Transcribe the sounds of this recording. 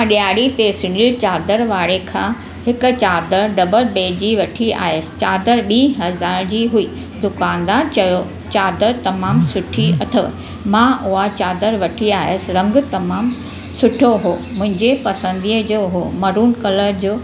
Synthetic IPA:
aɗiaːɽit̪esʊɳilt͡ɕaːd̪əɾʋaːɽekʰãː | hɪkʊ̆t͡ɕaːd̪əɾɖɐbəlbeːd͡ʑiʋɐʈʰia̰ːɦesɪ̥̆t͡ɕaːd̪əɾɓĩːɦɐzaːɾd͡ʑiːɦuiː | d̪ʊkaːnd̪aːɾt͡ɕɐjo | t͡ɕaːd̪əɾt̪ɐmaːmsʊʈʰiɐt̪ʰəʋ̰ | mãːʔʊat͡ɕaːd̪əɾʋɐʈʰiaːɦɪəsɪɾɐ̃ŋɡ̆t̪ɐmaːm | sʊʈʰoɦoːmʊ̃ɦɪ̃ɲd͡ʑepɐsə̃nd̪iːəd͡ʑoːɦoːmɐɾuːnkɐləɾd͡ʑoː

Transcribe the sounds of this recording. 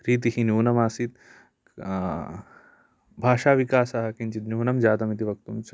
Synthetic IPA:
ɾiːt̪̬ihinjuːnɐmaːsit̪ | bʱaːʃaːʋikaːsɐɦɐkiɲt͡ʃit̪njuːnɐmd͡ʒaːt̪ɐmit̪iʋɐk̚t̪ums

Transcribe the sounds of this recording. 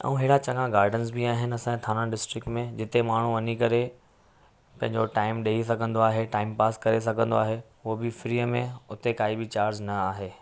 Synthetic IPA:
ɛ̰̃ũɦɪːɽat͡ɕɐ̃ŋɡãɡaːɾɖəns̬biaːɦɪnɪ̆ɐsãet̪ʰaːnãɖɪsʈɾɪk̚ʈmẽd͡ʑɪt̪emaːɳ̤uʋɐnikɐɾe | pɐ̃ɦɪ̃ɲd͡ʑoʈaːɪmɗeːɦisɐɡʱə̃nd̪oaːɦeʈaːɪmpaːskɐɾes̬ɐɡʱə̃nd̪oaːɦeɦʊobɪfɾiːəmẽʊt̪ekaːibɪt͡ɕaːɾd͡ʑnɐaːɦeː

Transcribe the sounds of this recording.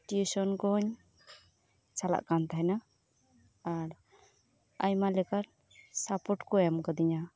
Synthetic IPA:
ʈjusɔnkɔɲ | t͡ʃala̰ʔkant̪ʰajna | aɾ | ajmalɛkaɾ | sapɔʈkɔɛmkəd̪iɲa

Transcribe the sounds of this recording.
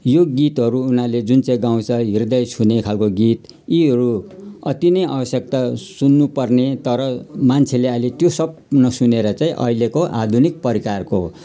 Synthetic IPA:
joɡit̪ɦʌɾuːnaled͡zunt͡saĩɡaw̃t͡sʰʌɦird̪ʌjsʰunekʰalkoɡit̪ | iɦʌɾuʌt̪inʌja̰bʌsjʌk̚t̪asunːupʌrnet̪ʌɾʌmant͡sʰeleʌjlet̪josʌb̚nʌsuneɾʌt͡sãĩʔʌ̰ɦilekoʔad̪ʱunik̚pʌɾikarko

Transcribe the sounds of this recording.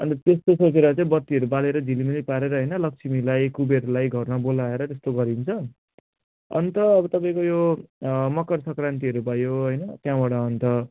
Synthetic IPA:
ʌnt̪ʌt̪est̪osot͡seɾʌt͡saĩbʌt̪ːiʌɾubaleɾʌd͡zʱilimilipaɾeɾʌɦʌjnʌlʌk̚sʰimilajkubeɾulajɡʱʌrnʌbolaeɾʌt̪est̪oɡʌɾint͡sʰʌ | ʌ̰nt̪ʌːbʌt̪ʌpaĩkojo | mʌkʌrsʌkrant̪̬iʌɾubʱʌjoɦʌjnʌt̪jãbaɽʌːnt̪ʌ

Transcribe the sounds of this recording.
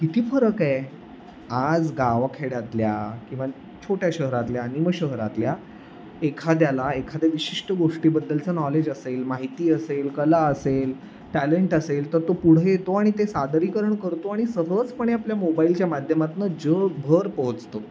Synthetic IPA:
kit̪ʰiːfəɾəke | ad͡zɡaʋakʰeɽat̪ljakĩw̃ʋa | t͡ɕʰoʈjaɕəɦɾat̪ljaːniməɕəɦɾa̰t̪lja | ekʰad̪jalaekʰad̪jeʋiɕiʂʈəɡoʂʈiːbəd̪ːəlt͡sənɔled͡ʑəselmaɦit̪iːəselkəlaəsel | ʈæleɳʈəselt̪əɾt̪opuɽ̤jet̪oaɽ̃it̪esad̪ɾikəɾəɳkəɾt̪oaɽ̃isəɦət͡spəɳ̃iapljamobailt͡ɕjamad̪ʱjəmat̪nəd͡ʑəbʱəɾpoɦət͡st̪o

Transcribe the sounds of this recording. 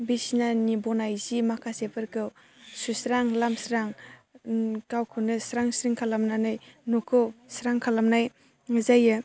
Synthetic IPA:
bisnanibɔnajzimakʰasepʰɯɾkɯw | susɾaŋlamsɾaŋ | kawkʰɯnɯsɾaŋsɾiŋkʰalamnanɯjnukʰɯwsɾaŋkʰalamnaj | ŋɯzajɯ

